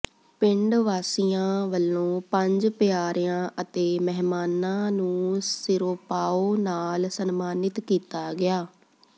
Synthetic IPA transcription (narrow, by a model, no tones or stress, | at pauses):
pɪɳɖʋaːsijãːʋəlːõːpəɲd͡ʒpɪjaːɾɪjãːʔət̪eːmɛɦmaːnãːnũːsɪɾoːpaːoːnaːlsənmaːnɪt̪kiːt̪aːɡɪaː